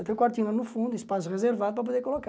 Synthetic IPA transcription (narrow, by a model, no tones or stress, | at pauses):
t̪ekwaɾt̪inɐnufũnd̪uispas̬uʁezeɾvad̪upɾɐp̬oðeɾkoloka